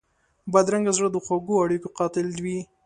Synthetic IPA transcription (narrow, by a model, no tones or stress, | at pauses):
bad̪ɾaŋɡazɽəd̪əxwaɡoaɽikoqɑt̪ɪlwi